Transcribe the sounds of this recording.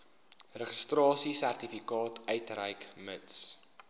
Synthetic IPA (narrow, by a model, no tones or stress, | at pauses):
rəχəstrɑːsisærtifikɑːtʰœjtrɛ̰jkməts